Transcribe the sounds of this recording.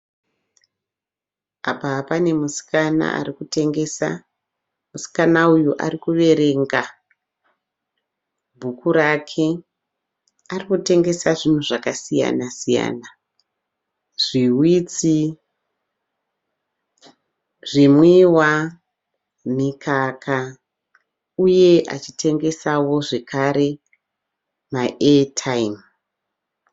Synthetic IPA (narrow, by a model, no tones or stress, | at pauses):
apapane̞musi̥kana̰a̰rikute̞ŋɡesa̰ | musi̥kanaujuʔa̰rikuʋe̞ɾe̞ŋɡa | bʱukuɾakʰe | arikute̞ŋɡe̞saʐin̤uʐakasija̰nasija̰ːna | ʐ̥iwit͡si | ʐimwiwa | mikʰakʰa | uje̞ʔa̰t͡ʃitʰe̞ŋɡe̞sawo̞ʐe̞kaɾe̞ | maʔetʰaim